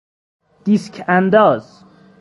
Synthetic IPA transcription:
d̪̥iskʰænd̪ɒːz

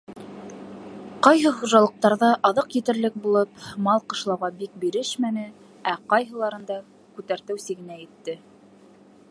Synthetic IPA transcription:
qɑjɦɤχuʒɑlˠɤ̆q̚t̪ɑɾðɑʔɑðɤqjɘ̆t̪ɘ̆ɾlɘk̚bulˠɤpmɑlˠqɤ̆ʃlˠɑwʁɑbik̚biɾɘʃmænɘ | æqɑjɦɤ̆lˠɑɾɤ̆nd̪ɑ | kʉt̪æɾt̪ɘwsɘ̆ɡɘ̆næjɘ̆t̪ːɘ

